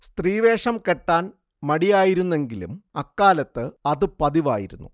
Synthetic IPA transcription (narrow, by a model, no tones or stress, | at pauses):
st̪riːʋe̞ːʂɐmkeʈːaːn | mɐɽijaːjiɾunːe̞ŋɡilṵmɐkːaːlɐt̪ːɨɐðɨpɐðiʋa̰ːjiɾunːu